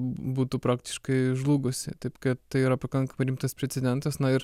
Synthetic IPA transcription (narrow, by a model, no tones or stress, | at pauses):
buːt̪uːpɾɑːkt̪ʲɪ̥ʃkɐɪʒlˠuːɡʊsʲɪ̰t̪ɐɪpkɐt̪t̪ɐɪiːɾɐpɐkɐŋkɐmɐɪɾʲiːmt̪ɐspʲɾʲɛtsʲɛd̪ʲɛnt̪ɐsnɐɪɾ